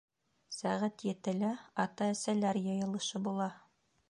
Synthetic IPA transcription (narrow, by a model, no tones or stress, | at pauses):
sæʁæt̪jɘ̆t̪ɘ̆læɑt̪ɑæsælæɾjɤ̆jɤ̆lˠɤ̆ʃɤbulˠɑ